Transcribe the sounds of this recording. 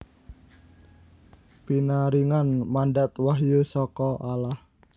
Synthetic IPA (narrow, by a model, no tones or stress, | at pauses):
pinaɾiŋanmaɳɖat̪waɦjusɔkɔʔalah